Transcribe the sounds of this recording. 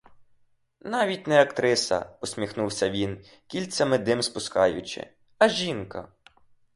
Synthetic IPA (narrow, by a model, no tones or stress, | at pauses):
nɑʋʲitʲnɛɐkt̪ɾɪsɐ̰ɔsʲmʲixnuwsʲɐʋʲin | kʲilʲsʲɐmɪd̪ɪmspʊskɑjʊt͡ʃɪ̰ | ɐʒʲinkɐ̰